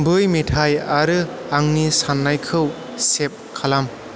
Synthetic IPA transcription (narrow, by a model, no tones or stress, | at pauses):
bɯjmetʰajaɾɯ | aŋnisanːajkʰɯw | sep̚kʰalam